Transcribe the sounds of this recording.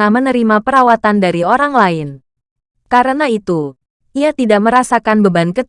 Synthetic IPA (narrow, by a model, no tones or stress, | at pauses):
ahmənəɾimapəɾawat̪andaɾioɾaŋlaɪn | kaɾənait̪u | iat̪idaʔməɾasakanbəbankət̪